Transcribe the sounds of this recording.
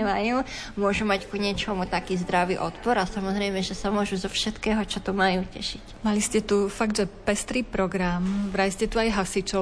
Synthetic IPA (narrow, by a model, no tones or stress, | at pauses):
ɛmajuː | mʊɔʒumackuɲɛt͡ʃɔmut̪akiːzd̪ɾaʋḭːʔɔt̪pɔɾasamɔzɾɛjmɛʒɛsamʊɔʒuzɔfʃɛt̪kɛːɦɔt͡ʃɔt̪ɔmajuːcɛʃicmaliscɛt̪ufaɡd̪ʒɛpɛst̪ɾiːpɾɔɡɾamvɾaliscɛt̪uajɦasit͡ʃɔ